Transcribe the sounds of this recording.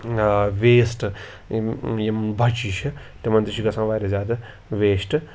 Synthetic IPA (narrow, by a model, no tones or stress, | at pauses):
ʋeːsʈɨ | jɐmbʱɐt͡ʃiʃɐ | t̪emɐnt̪ɾiʃiɡɐsãːʋaːɾɐzaːd̪ɐ | ʋeːsʈɨ